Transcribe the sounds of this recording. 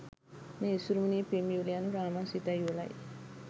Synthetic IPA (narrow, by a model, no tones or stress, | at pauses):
nesuɾumuniːpemjuːlijanuɾaːmasit̪ajula̰j